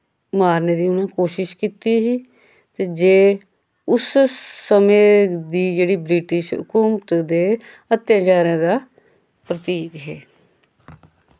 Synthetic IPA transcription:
maːɾneːd̪iːʊnãːkoːʃɪʃkiːt̪iːɦiː | t̪eːd͡ʒeː | ʊssəmẽːd̪iːd͡ʒeːɽiːbɾiːʈɪʃʊ̰kuːmt̪d̪eː | ət̪ːjãːd͡ʒaːɾãːd̪aː | pɾət̪iːɡɦeː

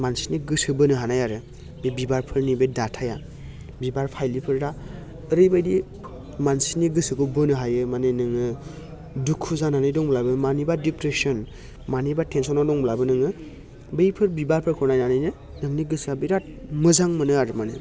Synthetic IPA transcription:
mansi̥niɡɯsɯbɯnɯɦanajaɾɯ | bebibaɾpʰɯɾnibejdatʰaja | bibaɾpʰajlipʰɯɾɾaː | ɾɯjbajdi | mansiniɡɯsɯkʰɯbɯnɯɦajɯmanenɯŋɯ | dukʰuzananɯjdɔŋblabɯmanibadipɾesɔn | manibatʰensɔnɔdɔŋblabɯnɯŋɯ | bejpʰɯɾbibaɾpʰɯɾkʰɔnajnanɯjnɯ | nɯŋniɡɯsabijɾat̚mɯzaŋmɯnɯaɾɯmane

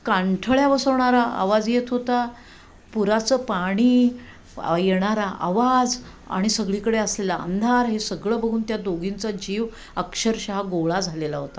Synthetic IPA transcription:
kaɳʈʰəɭjaʋəsəʋɳaɾaa̰ʋad͡zjet̪ʰɦot̪a | puɾat͡səːpaɽ̃iː | jeɽ̃aɾaʔa̰ʋad͡z | a̰ɽ̃isəɡɭikəɽeəslelaə̰nd̪ʱaɾɦesəɡɭəːbəɡʱuːnt̪jad̪oɡint͡sad͡ʑiːʋ | əkʂəɾɕaɦaɡoɭad͡zʱalelaɦot̪a

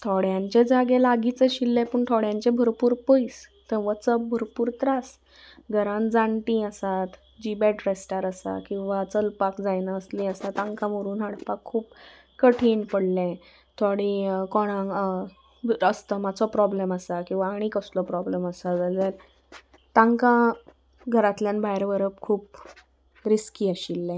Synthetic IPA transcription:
t̪ʰɔɽjãɲt͡ɕed͡zaɡelaɡit͡səɕilːẽpəɳʈʰɔɽjãɲt͡ɕẽbʱəɾpuːɾpəjst̪əʋət͡səbʱəɾpuːɾt̪ɾas | ɡʱəɾãnd͡zãɳʈĩəsat̪ | d͡ʑibɛʈɾesʈaɾəsa̰kĩw̃ʋat͡səlpakd͡zajnaəslĩəsat̪ãŋkʰãməɾuːnɦaɽpakʰːuːp | kəʈʰiːnpəɽlɛ̃ | t̪ʰoɽikɔɽ̃ã | əst̪əmat͡sɔpɾɔbleməsakĩw̃ʋaːɽ̃iːkəslɔpɾɔbleməsat̪ad͡zəɾ | t̪ãŋkã | ɡʱəɾat̪ljanbʱajɾʋəɾəpkʰuːp̚ | ɾiskiːəɕilːɛ̃

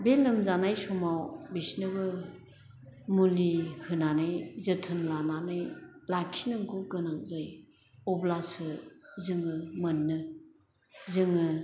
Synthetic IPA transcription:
belɯmzanajsumawbisnɯbɯ | mulihɯnanɯjzɯtʰɯnlananɯjlakʰinɯŋkʰoɡɯnaŋzaj | ɔblasɯzɯŋɯmɯnːɯ | zɯŋɯ

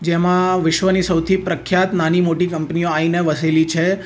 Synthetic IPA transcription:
d͡ʒemãʋɪʃʋənisəwt̪ʰipɾəkʰjat̪nanimoʈikəmpnioaineʋəselit͡ʃʰe

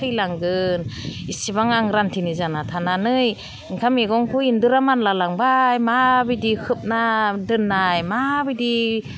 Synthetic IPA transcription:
ɯjlaŋɡɯnisibaŋaŋɾantʰinɯzanatʰananɯj | iŋkʰameɡɔŋkʰuindɯɾamanlalaŋbajmabidikʰɯp̚nadɯnːajmabidi

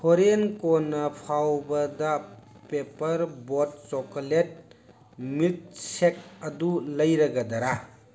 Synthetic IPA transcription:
hoɾenkɔnɐpʰawbɐdɐ | pepɐɾbɔt̚sɔkolet̚ | mit̚sek̚ɐdulɐjɾɐɡɐdɐɾa

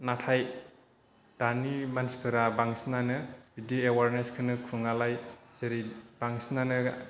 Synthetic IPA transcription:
natʰaj | d̥animanspʰɯɾabaŋsnanɯbidoewaɾneskʰɯnɯkʰɯŋalajz̥eɾib̥aŋsnanɯ

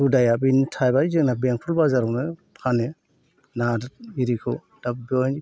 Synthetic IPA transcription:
udajabintʰajbaizɯknabeŋ̚pʰɔlbazaɾɔnɯkʰane | nadiɾikʰɯ̰ | d̥ap̚bɔni

